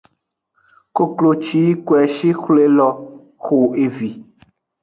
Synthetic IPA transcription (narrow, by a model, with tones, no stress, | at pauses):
ko˦klo˨t͡ʃi˦kwɛ˨ʃi˦xle˦lɔ˦ | xo˨e˨vi˨